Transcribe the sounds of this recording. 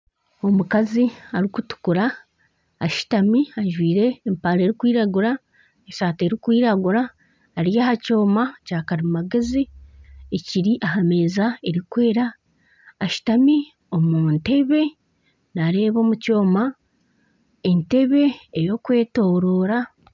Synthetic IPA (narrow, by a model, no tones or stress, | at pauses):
o̞mukaziaɾikutu̥kuɾaː | ʃu̥tamiaʒwiːɾe̞ːmpaɾe̞ːɾikwiːɾaɡuɾa | esaːte̞ɾikwiːɾaɡuɾaː | ɾijaːhaco̞ːmacaːkaɾimmaɡezieciɾiʔaɦame̞ːzae̞ɾikwe̞ːɾaː | ʃu̥tami | o̞munte̞βe̞ | naɾe̞ːβo̞ːmuco̞ːma | e̞nte̞βe̞ejo̞kwe̞ːto̞ɾo̞ːɾa